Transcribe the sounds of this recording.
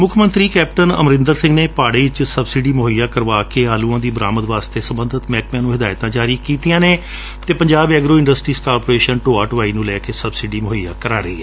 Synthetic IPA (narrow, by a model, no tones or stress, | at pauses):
mʊkʰmə̃nt̪ɾiːkɛːpʈənə̰mɾɪ̃nd̪əɾsɪ̃ŋɡneːpaːɽeːɪt͡ʃsəbsiːɖiːmoɦjaːkəɾʋaːkeːɦaːlũːãːd̪iːbəɾaːməd̪ʋaːst̪eːsəmbənd̪ət̪mɛːkmjãːnũːɦɪd̪aːjt̪ãːd͡ʒaːɾiːkiːt̪ijãːneː | t̪eːpəɲd͡ʒaːbɛːɡɾoːɪ̃ɳɖəsʈɾiːskaːɾpoːɾeːʃənʈoːaːʈəʋaːiːnũːlɛːkeːsəbsiːɖiːmʊɦɪjaːkəɾaːɾəḭːɦɛː